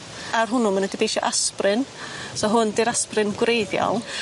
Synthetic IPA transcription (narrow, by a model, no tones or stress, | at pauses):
arɦʊnʊmənɛdibejʃɔ̰ʔasprɨnsɔɦʊndɪɾasprɨnɡwrejðjɔ̰lˠ